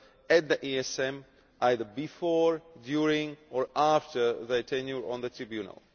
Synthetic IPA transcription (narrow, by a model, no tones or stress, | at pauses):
æt̚ðəʔiɛsɛ̃m | ʔaɪðəbifɔɹdjuɹɪ̃ŋɔɹaftʰə˞ðəətʰɛ̃njuɹɔ̃nðətʰɹibjunə̰lˠ